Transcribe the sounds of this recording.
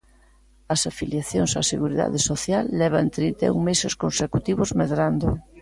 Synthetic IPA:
ɐsafiljaθjoŋsasḛɣuɾiða̰ðesoθjalːɛβ̞ant̪ɾint̪ḛuŋmeseskonsekut̪iβozmeðɾand̪o

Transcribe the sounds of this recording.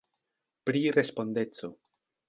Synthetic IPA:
pɾiɾe̞spo̞nde̞t͡so̞

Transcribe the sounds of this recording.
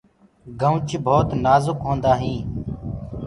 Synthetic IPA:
ɡʱəʋt͡ʃbʱoːt̪naːzʊkɦõːnd̪aːɦĩː

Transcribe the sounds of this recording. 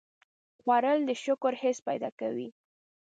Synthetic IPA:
xwaɾəld̪əʃʊkʊɾhɪspajd̪ɑ̰kawḭ

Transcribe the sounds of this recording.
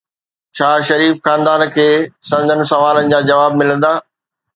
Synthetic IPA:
t͡ɕʰaːʃɐɾiːfxaːnd̪aːnkʰeːsɐ̃nd̪ʱənɪ̆sɐʋaːlənɪ̆d͡ʑaːd͡ʑɐʋaːb̚mɪlə̃nd̪aː

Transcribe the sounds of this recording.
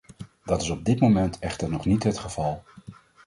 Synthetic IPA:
dɑtɪsɔb̚dɪtmomɛntʰɛχtəɹnɔχnitɦətχəv̥ɑlˠ

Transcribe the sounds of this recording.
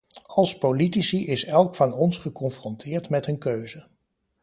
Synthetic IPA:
ɑlˠspolitisiʔɪsɛlˠkfɑnɔnsχəkɔnfrɔntʰɪːɹtmɛtənkøɥzə

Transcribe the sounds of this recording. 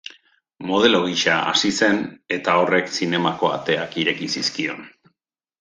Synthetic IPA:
mo̞ð̞e̞loɣiʃaa̰sise̞ne̞t̪ao̞re̞ksine̞mako̞a̰t̪e̞akiɾe̞kisiskio̞̰n

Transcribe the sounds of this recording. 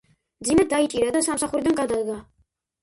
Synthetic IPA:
md̪zimɛd̪ait͡ʃʼiɾad̪asamsaχuɾid̪anɡad̪ad̪ɡa

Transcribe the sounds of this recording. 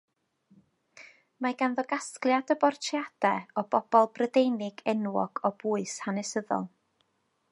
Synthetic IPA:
maɡanðɔɡasklˠjadəbɔrtʰrjad̥ɛɔb̥ɔb̥ɔlˠbrədejnɪɡɛnwɔ̰ɡ̥ɔb̥uːɨshanɛsəðɔ̰lˠ

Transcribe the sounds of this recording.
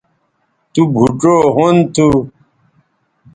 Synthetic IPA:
t̪ubʱuʈ͡ʂoːɦont̪ʰu

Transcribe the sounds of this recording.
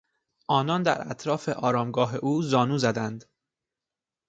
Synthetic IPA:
ʔɒːnɒnd̪æ̰ɾæ̰t̪ʰɾɒːfe̞ʔɒːɾɒːmɡɒːɦeʔuːzɒːnuːzæd̪ænd̪

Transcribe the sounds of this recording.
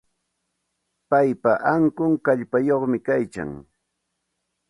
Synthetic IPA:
pajpaʔaŋkʊŋkaʎpajoχmɪkajka̰ŋ

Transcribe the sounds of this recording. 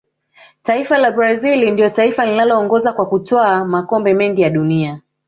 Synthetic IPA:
taifalabɾazilindiɔtaifalinalɔːŋɡɔzakwakutɔamakɔmbɛmɛŋɡijaɗunia

